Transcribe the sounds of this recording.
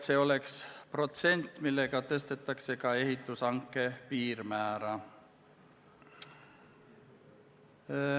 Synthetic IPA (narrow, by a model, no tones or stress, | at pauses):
se̞ːo̞le̞kspro̞t̪se̞nʲt̪ːˑmilːe̞ɡ̥ɑt̪e̞st̪e̞t̪ːˑɑkse̞kɑe̞ɦit̪ːˑusɑŋkːˑe̞piːrmæːɾɑ